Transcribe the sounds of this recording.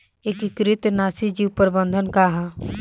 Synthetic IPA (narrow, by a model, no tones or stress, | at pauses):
eːkikɾɪt̪naːsid͡ʒipəɾbə̃nd̪ʱənkaɦa